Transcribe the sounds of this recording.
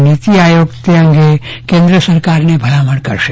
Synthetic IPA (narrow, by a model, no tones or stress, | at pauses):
nit̪iajoːɡt̪eə̃ŋɡekẽnd̪ɾəsəɾkaɾnebʱɐlaməɽkəɾʃe